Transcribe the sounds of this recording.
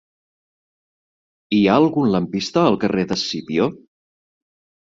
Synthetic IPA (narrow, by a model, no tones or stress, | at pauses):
iaəlˠɣunləmpist̪əːlˠkəreðəsipio